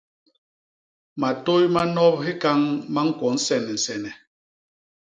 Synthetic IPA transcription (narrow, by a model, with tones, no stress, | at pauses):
ma˨to˦jma˦nɔ˦p̚ɦi˦ka˦ŋma˦ŋ̩˦kɔ˨˦n̩˦sɛ˨nɛ˨n̩˨sɛ˨nɛ˨